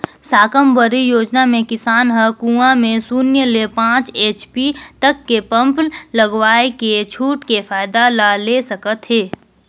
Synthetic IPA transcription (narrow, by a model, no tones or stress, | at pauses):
saːkəmbəɾijoːd͡ʒnamẽkɪsaːnɦəkũãmẽsuːnjəlepãːt͡ʃeːt͡ʃpit̪əkːepə̃mpnləɡʋaːeket͡ʃʰuːʈkefaːɪd̪alaleːsɐkət̪ɦeː